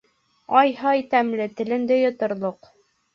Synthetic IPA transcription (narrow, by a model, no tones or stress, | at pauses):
ɑjhɑjt̪æmlɘt̪ɘ̆lɘ̆nd̪ɘjŏt̪ŏɾlˠoq